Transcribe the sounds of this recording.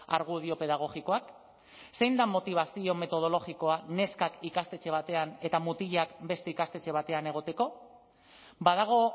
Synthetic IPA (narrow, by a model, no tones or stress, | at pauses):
aɾɣ̞uð̞io̞pe̞ðaɣ̞o̞ɣiko̞ak | sejnd̪amo̞t̪iβ̞asio̞me̞t̪o̞ð̞o̞lo̞ɣiko̞ane̞skakikast̪e̞t͡ʃe̞β̞at̪e̞ane̞t̪amut̪iʎakbe̞st̪e̞ikast̪e̞t͡ʃe̞β̞at̪e̞ane̞ɣ̞o̞t̪e̞ko̞ | bað̞aɣ̞o̞